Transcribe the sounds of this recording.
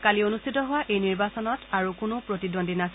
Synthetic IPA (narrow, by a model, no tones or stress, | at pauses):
kalionustʰitɔɦʊwaʔejniɹbasɔnɔtaɹukʊnʊpɹotidondinas